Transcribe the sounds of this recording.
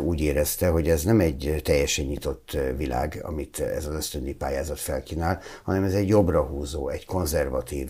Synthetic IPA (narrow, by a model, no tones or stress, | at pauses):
uːɟeːɾɛst̪ɛɦo̞ɟɛznɛmɛɟt̪ɛjːɛʃɛɲːit̪o̞t̪ːvila̰ːɡɒ̰mit̪ɛ̰zɒzø̞st̪ønd̪ipaːjaːzɒt̪fɛlkinaːlhɒnɛmɛzɛɟjo̞brɒɦuːzoːɛɟko̞nzɛrvɒt̪iːv